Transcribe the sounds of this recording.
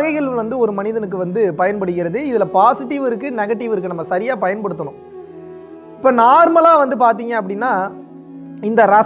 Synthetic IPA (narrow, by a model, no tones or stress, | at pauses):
ɣɐɪɣɐɭɯmʋɐnd̪ɯɔɾɯmɐnɪðɐnɯkːɯʋɐnd̪ɯpɐjɐnpɐɽɯɣɪɾɐðɯɪðɪlɐpaːsɪʈːɪʋɪɾɯkːɯnɛɣɐʈːɪʋɪɾɯkːɯnɐmːɐsɐɾɪjaːpɐjɐnpɐɽɯt̪ːɐnʊ̃ | ɪpːoːnaːɾmɐlaːʋɐnd̪ɯpaːɾt̪̬iːŋɡɐɐpːɐɽɪnːaː | ɪnd̪ɐɾɐ